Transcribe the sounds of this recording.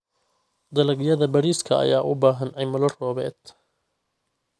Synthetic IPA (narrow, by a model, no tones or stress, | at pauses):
d̪ɐlɐɣjɐðɐbɐɾiːskʰɐ̰ɐ̰jaːʔʊbaːɦɐnɛjmʊlɐrɔːβɛ̰ːd̪̥